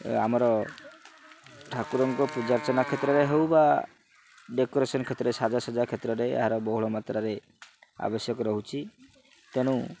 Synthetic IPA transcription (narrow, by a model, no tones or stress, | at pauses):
a̰mɔɾɔ | ʈʰakuɾɔŋkɔpud͡ʒaɾt͡ʃɔnakʰet̪ɾɔɾeɦewba | ɖekɔɾesɔnkʰet̪ɾɔɾesad͡ʒasɔd͡ʒakʰet̪ɾɔɾeḛɦaɾɔbɔɦuɭɔmat̪ɾaɾe | a̰bɔsjɔkɔɾɔɦut͡ʃʰi | t̪eñũ